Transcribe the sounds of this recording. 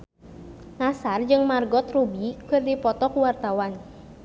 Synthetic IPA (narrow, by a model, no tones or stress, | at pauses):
ŋasard͡ʒɨŋmarɡɔt̪rubikɨrdipɔt̪ɔkuwart̪awan